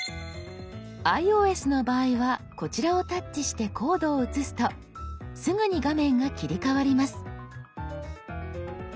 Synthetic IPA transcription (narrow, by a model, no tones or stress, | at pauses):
aio̞ːe̞sɨno̞baːiβako̞t͡ɕiɾao̞t̪at͡ɕːiɕi̥t̪e̞kʰo̞ːd̪o̞ːɯ̟t͡sɨsɨ̥t̪o̞ | sɨŋɯ̟ɲ̟iɡamẽ̞ŋɡakʲiɾʲikaβaɾʲimasɨ̥